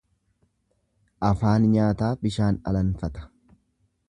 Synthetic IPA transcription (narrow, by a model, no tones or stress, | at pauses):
ʔɐfaːnɲaːt̪aːbɪʃaːnɐ̰lɐnfɐt̪ɐ̥